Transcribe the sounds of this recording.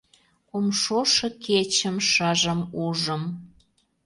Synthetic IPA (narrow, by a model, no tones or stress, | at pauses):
komʃoʃɤ̆ket͡ɕə̆mʃɑʒə̆muʒə̆m